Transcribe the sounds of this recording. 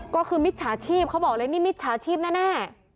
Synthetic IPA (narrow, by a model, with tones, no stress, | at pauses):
kɔː˥˩kʰɯː˧mi˦˥t̪̚t͡ɕʰaː˩˦t͡ɕʰiː˥˩p̚kʰa˦˥wbɔː˨˩k̚lɤː˧niː˥˩mi˦˥t̪̚t͡ɕʰaː˩˦˥t͡ɕʰiː˥˩p̚naː˦˥˩nɛː˥˩